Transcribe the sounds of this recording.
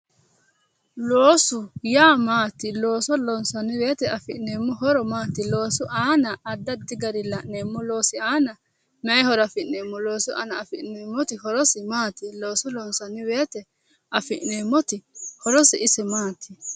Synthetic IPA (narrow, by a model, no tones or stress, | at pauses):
loːsʊjaːmaːt̪ːɪloːsɔlɔnsɐnːɪwe̞ːt̪ɛɐfɪʔne̞ːmːɔɦɔɾɔmaːt̪ːɪlo̞ːsʊʔaːnɐɐd̪ːɐd̪ːɪɡɐɾɪlɐʔne̞ːmːɔlo̞ːsɪaːnɐ | mɛjhɔɾɐfɪʔneːmːɔlo̞ːsʊʔa̰nɐːfɪʔneːmːɔt̪ɪhɔɾɔsɪmaːt̪ːɪloːsɔlɔnsɐnːɪwe̞ːt̪ɛ | ʔɐfɪʔneːmːɔt̪ɪhɔɾɔsɪɪsɪmaːt̪ʰːɪ